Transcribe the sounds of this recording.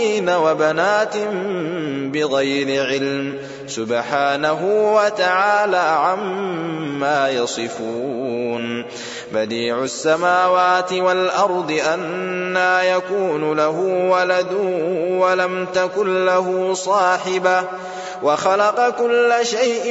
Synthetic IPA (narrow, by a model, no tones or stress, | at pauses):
iːnawabanaːt̪ɪmmbɪɣajɾɪʕɪlm | sʊbħaːnaɦʊwat̪aʕaːlaːʕamː | aːjɑsˤɨfuːn | bad̪iːʕʊsːamaːwaːt̪ɪwalʔɑɾˤd̪ˤɨʔanːaːjakuːnʊlaɦʊwalad̪ʊwalamt̪akʊnlaɦʊsˤɑːħɪba | waxɑlɑqɑkʊlːaʃajʔ